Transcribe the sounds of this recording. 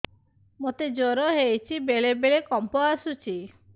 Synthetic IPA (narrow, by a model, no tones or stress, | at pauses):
mot̪ed͡ʒoɾɔɦejt͡ʃʰibeɭebeɭekɔmpɔasut͡ʃʰi